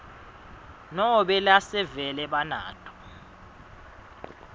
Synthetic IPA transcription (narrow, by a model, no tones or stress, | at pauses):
nɔɓɛlasɛvɛlɛɓana̰ːtʰʼɔ̥